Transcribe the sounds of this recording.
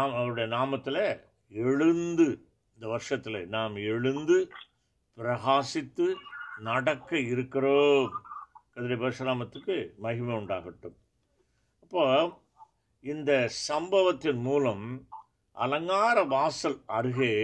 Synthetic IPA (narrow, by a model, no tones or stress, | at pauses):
naːmɐʋɐɾʊɽɐjɐnaːmɐt̪ːɪle | ɛɻɯnd̪ɯ | ɪnd̪ɐʋɐɾʂɐt̪ːɪlḛnaːmɛɻɯnd̪ɯ | pɪɾɐɣaːsɪt̪ːɯnɐɽɐkːɐɪɾɯkːɪroːmkɐðɪɾɐbɐɾɯʂɐnaːmɐt̪ːɯkːɯmɐɣɪmeʊɳɖaːɣɪʈːɯm | ɐpːoː | ɪnd̪ɐsɐmbɐʋɐt̪ːɪnmuːlɐm | ʔɐ̰lɐŋɡaːɾɐʋaːsɐlɐɾɯɣeː